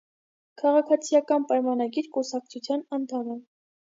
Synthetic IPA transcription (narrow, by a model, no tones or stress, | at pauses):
kʰɑʁɑkʰɑt͡sʰijɑkɑnpɑjmɑnɑɡiɾkusɑk̚t͡sʰut͡sʰjɑnɑnt̪ʰɑnɛ